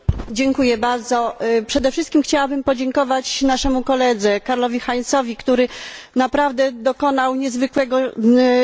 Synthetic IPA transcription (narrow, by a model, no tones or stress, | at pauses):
d͡ʑɛŋkujɛbaɾd̪zɔpʂɛd̪ɛfʂɘst̪kʲimxt͡ɕawabɘmpɔd͡ʑɛŋkɔvat͡ɕnaʂɛmukɔlɛd̪zɛkaɾlɔvʲixaɲt̪sɔvʲikt̪uɾɘnapɾavd̪ɛd̪ɔkɔnawɲɛzvɘkwɛɡɔ